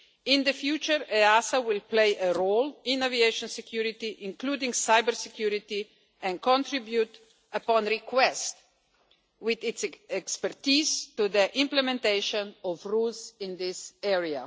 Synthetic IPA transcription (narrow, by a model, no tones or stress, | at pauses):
ɪ̃nd̪əfjuːt͡ʃəɾɛasawɪlpleɪʔəɾolɪ̃navieɪʃɔ̃nsɛkʰjuɾit̪iʔɪ̃nkluːdĩŋɡsaɪbəɾsɛkjuɾit̪i | ɛ̃nkɔ̃ntɾibjut̪ | əpɔ̃nɾikwɛst̪ | wɪðɪtsɛkspəɾt̪iːzt̪ud̪əʔɪ̃mplɛmɛ̃nt̪eɪʃɔ̃nɔfɾuːlsɪ̃nd̪ɪsɛɹia̰